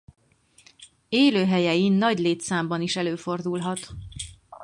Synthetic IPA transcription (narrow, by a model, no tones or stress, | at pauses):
eːløːɦɛjɛjinːɒɟleːt̪saːmbɒniʃɛløːfo̞rd̪ulɦɒt̪